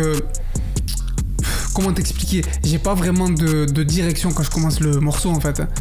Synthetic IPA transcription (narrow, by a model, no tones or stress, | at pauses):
ø | kɔmɑ̃t̪ɛksplikʲe | ʒepavʁɛmɑ̃d̪əd̪əd̪iʁɛksjɔ̃kɑ̃ʒəkɔmɑ̃sləmɔʁsoɑ̃fɛt̪ɛ